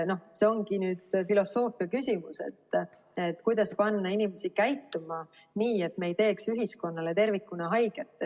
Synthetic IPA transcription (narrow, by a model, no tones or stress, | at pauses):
no̞hseo̞ŋɡinyːd̪filo̞so̞ːfiɑkysʲimusḛt̪ː | e̞t̪ːˑkujd̪̥ɑspɑnːɑinimesikæjt̪ːˑomɑ | niːe̞t̪mejt̪e̞ːksyɦisko̞nːɑle̞t̪e̞rvikːˑunɑɦɑjɡ̥et̪ːˑe